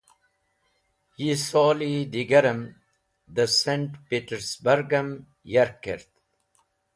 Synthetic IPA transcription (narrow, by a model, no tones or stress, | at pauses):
jisoːlid̪iɡɐɾəm | d̪əsẽɳʈpiːʈəɾsbəɾɡɐm | jɐɾkeɾt̪